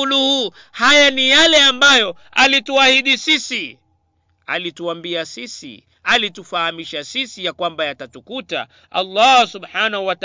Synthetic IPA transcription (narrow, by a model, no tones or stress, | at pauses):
uluhu | hajanijalɛambajɔ | alituahiɗisisi | a̰lituambiasisḭ | alitufahamiʃasisijakwambajatatukuta̰ | a̰lːɑsubħanahuwat